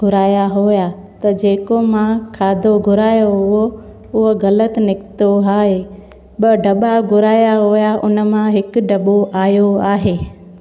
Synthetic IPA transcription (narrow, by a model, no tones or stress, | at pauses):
ɡʱʊɾaːjaɦoːja | t̪ɐd͡ʑeːkomãkʰaːd̪ʱoɡʱʊɾaːjoɦʊɦo | ʊɦoɣɐlət̪ɪnɪkt̪oɦaːɦe | ɓɐɖɐɓaɡʱʊɾaːjaɦoːjaʔʊnə̆mãɦɪkʊɖɐɓoʔaːjoaːɦeː